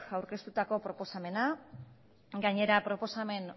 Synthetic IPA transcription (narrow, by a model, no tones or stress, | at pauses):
awɾke̞st̪ut̪ako̞pɾo̞po̞same̞na | ɡaɲe̞ɾapɾo̞po̞same̞n